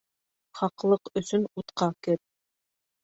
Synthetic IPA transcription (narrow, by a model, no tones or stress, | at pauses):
χɑqlˠɤqɵ̆sɵnut̪qɑkɘp̚